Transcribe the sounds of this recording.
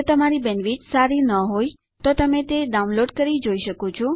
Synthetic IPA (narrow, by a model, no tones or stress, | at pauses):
t̪əmaɾibɛnʋit͡ʃsaɾinəɦoj | t̪ot̪əmet̪eɖaunloɖkəɾid͡ʒoiʃəkot͡ʃʰɔ